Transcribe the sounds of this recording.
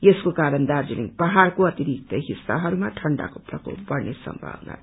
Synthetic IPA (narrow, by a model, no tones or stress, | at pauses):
eskokaɾʌnd̪ard͡ziliŋpʌɦaɾkoʌt̪iɾik̚t̪ʌɦisːa̰ɦʌɾumaʈʰʌɳɖa̰koprʌko̰pʌrnesʌ̰mbʱa̰bna̰